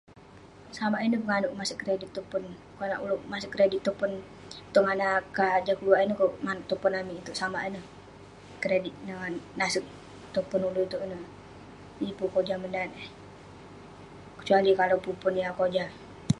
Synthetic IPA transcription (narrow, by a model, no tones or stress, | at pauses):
samainəpəŋanʊʔmasəkːəɾedɪt̪ːupʊn | kona̰ʔuluʔmasəkːəɾedit̪ːopʊn | t̪uŋanakad͡ʒakəluainəkoʔmanʊʔ̚t̪upʊnamiːt̪uʔsama̰ʔinəh | kəɾedɪt̪̚naŋannasɪk̚ | t̪upʊnuluit̪uʔnə | ipukod͡ʒaməndat̪ | kə̥t͡ʃualikalopupʊnjakod͡ʒa